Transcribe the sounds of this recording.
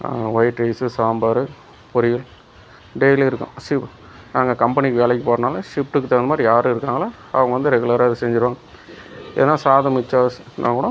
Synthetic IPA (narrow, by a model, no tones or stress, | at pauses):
a̰ʋɐɪʈɾɐɪsɯsaːmbɐɾɯ | pʊɾɪjɪl | ɖejliɪɾɯkːʊ̰̃ʂɪp | naːŋɡɐkɐmpɐnɪkːɯʋeːlɛkːɯpoːɾɐnaːlɐʂɪpʈɯkːɯt̪ɛɾɐnɐmaːd̪ɾijaːɾɯɪɾɯkːaːŋɡɐlaː | ɐʋɐŋɡɐʋɐnd̪ɯɾɛɡɯlɐɾaːɪðɯsɛɲd͡ʒɪɾɯʋaːŋɡɐ | ɪðɐnːaːsaːðɐmɪt͡ʃːaːsnʔa̰ːŋkʊːɽɐ̃